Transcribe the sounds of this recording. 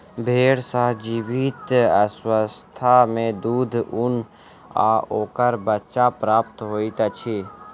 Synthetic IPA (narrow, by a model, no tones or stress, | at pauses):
bʱeːɽsaɦd͡ʒiwit̪əswəst̪ʰamẽd̪uːd̪ʱʊn | a̰oːkəɾbətːʃapɾaːp̚t̪ɦoːit̪at͡ʃʰi